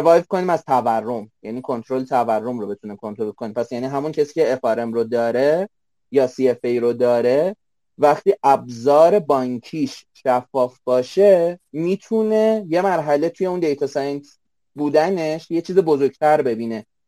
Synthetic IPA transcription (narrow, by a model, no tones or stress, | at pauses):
vɒːjvkʰo̞niːmæzt̪ʰæværːo̞mjæniːkʰo̞nt̪ɾo̞let̪ʰæværːo̞mɾo̞be̞t̪ʰunekʰont̪olkʰonempʰæsjæniːɦæmuncʰesiːceːfɒɾe̞mɾod̪ɒːɾe̞ | jɒːsiefejɾod̪ɒːɾe̞ | væχt̪iːʔæb̚zɒːɾe̞bɒːɲkʰiːʃ | ʃæfːɒːfb̥ɒːʃe̞miːt̪ʰune̞je̞mæɾɦæle̞t̪ʰuje̞und̪e̞jt̪ʰɒsɒjnt̪ | buːd̪æne̞ʃjet͡ʃʰiːzebozoɾɟt̪ʰæɾbe̞biːne̞